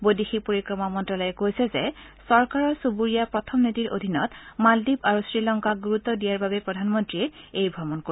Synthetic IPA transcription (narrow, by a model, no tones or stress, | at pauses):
bodixipoɹikɹɔmɔmɔntɔlɔjɛkojsɛzɛ | sɔɹkaɹɔsubuɹijapɹɔtʰɔmnitiɹʔo̰dʱinɔtmaldibaɹusɹilɔŋkaɡuɹut̪ːɔdijaɹbabɛpɹɔdʱanmɔntɹiɛejbʱɹɔmɔnko